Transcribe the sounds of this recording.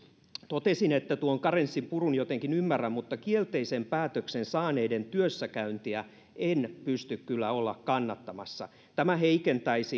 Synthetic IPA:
t̪ot̪esinet̪ːæt̪uoŋkɑrensːimpurunjot̪eŋkinymːæræmmut̪ːɑkielt̪eisempæːt̪øksensɑːneident̪yøsːækæynt̪iæ | ʔenpyst̪ykkylːæolːɑkkɑnːɑt̪ːɑmɑsːɑ̰ | t̪æmæheikent̪æisi

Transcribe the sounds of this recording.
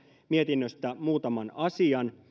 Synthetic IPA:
miet̪inːøst̪æmuːt̪ɑmɑnɑsiɑn

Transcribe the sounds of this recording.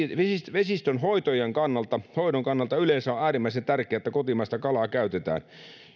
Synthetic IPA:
ʋsʋesist̪onhoit̪ojeŋkɑnːɑlt̪ɑhoidoŋkɑnːɑlt̪ɑyleːnsæoʔæːrimːæisent̪ærkeæet̪ːækot̪imɑst̪ɑkɑlɑːkæyt̪et̪æ̰ːn

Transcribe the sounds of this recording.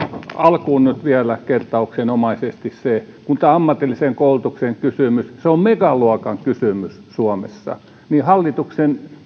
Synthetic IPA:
ɑlkuːnnyt̪ʋiælækert̪ɑuksenomɑisest̪issekunt̪æːɑmːɑt̪ːilːiseŋkoult̪ukseŋkysymysseommekɑluokɑŋkysymyssuomḛsːɑ̰ | nihɑlːit̪uksen

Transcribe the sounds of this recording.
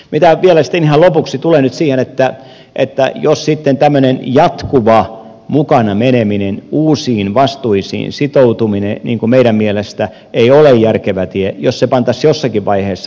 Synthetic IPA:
mit̪æʋielæsi̥t̪ːenihɑlopuksit̪ulenyt̪siːhenet̪ːæ | ʔḛt̪ːæ̰jossit̪ːent̪æmːønenjɑt̪kuʋɑ | mukɑnɑmeneminenuːsiːnʋɑst̪uisḭːnsit̪out̪uminenḭːŋkumeiɾæmmielest̪æ | eiolejjærkeʋæt̪iejossepɑnt̪ɑsjosːɑkiʋʋɑiheːsːɑ

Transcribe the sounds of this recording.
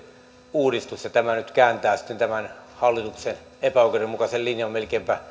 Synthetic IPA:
uːdist̪usjɑt̪æmænyt̪kæːnt̪æːsi̥t̪ːent̪æmænhɑlːit̪uksen | epæoˑkeremmukɑsellinjɑmmelkeːmpæ

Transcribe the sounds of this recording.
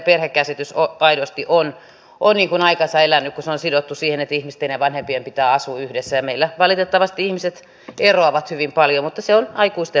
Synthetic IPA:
perhekkæsit̪ysoɑidost̪iʔon | onniːŋkunɑikɑnsɑelænːykkuseonsidot̪ːusiːhenet̪ːæihmist̪ːeineʋɑnhempiempit̪æːɑsuyhdesːæjɑmeilːæʋɑlit̪et̪ːɑʋɑst̪iihmiset̪ | eroɑʋɑt̪hyʋimpɑljomut̪ːɑseonɑikuist̪e

